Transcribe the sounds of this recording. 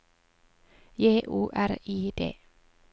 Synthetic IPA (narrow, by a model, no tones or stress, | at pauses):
jeːʔuːʔæɾiːd̪ḛː